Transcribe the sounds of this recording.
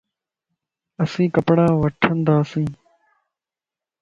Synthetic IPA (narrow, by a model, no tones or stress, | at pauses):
əsĩːkəpɽãːʋəʈʰənd̪aːəsĩː